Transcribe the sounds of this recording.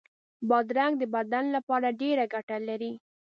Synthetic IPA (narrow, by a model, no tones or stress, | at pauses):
bɑd̪ɾaŋɡd̪əbad̪anlapɑɾaɖeɾaɡaʈalaɾi